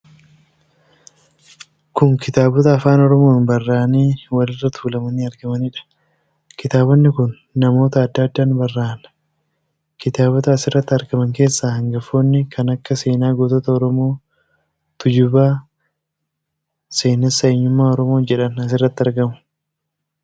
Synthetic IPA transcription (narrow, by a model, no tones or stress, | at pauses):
kʊŋkɪt̪aːbɔt̪ɐːfaːnɔɾɔmoːnbɐrːaːniːwɐlɪrːɐt̪uːlɐmɐniːɐɾɡɐmɐniᶑɐ̥ | kɪt̪aːbɔnːɪkʊnːɐmo̞ːt̪ɐɐd̪ːaːd̪ːaːnbɐrːaːnɐ̥ | kɪt̪aːbɔt̪ɐːsɪrːɐt̪ːɪɐɾɡɐmɐŋke̞ːsːaːhɐŋɡɐfoːnːɪkʰɐnɐkːɐse̞ːnaːɡot̪ɔt̪ɐɔɾɔmo̞ː | t̪ʊd͡ʒʊbaː | se̞ːnɐsːɐeɲːʊmːaːɔɾɔmo̞ːnd͡ʒɛᶑɐnɐs̬ɪrːɐt̪ːɪɐɾɡɐmʊ̥